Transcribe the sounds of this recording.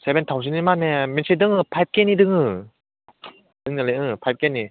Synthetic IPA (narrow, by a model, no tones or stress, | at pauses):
sɛbɛntʰaws̬inimanɛmɛnsidɯŋɯpʰajp̚kɛnːidɯŋɯ | dɯŋnaleʔɯpʰajp̚kenːi